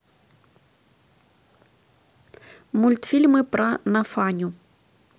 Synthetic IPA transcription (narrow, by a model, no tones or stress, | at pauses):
mulʲt̪fʲilʲmɨpɾɐnafanʲu